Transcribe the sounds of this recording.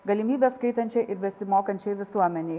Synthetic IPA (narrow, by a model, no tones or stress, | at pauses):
ɡɐlʲimʲiːbʲɛːskɐɪt̪ɐnʲt͡ʃʲɛʔɪɾbʲɛsʲɪmoːkɐnʲt͡ʃʲɛɪʋʲɪsuɔmʲɛnʲɛɪ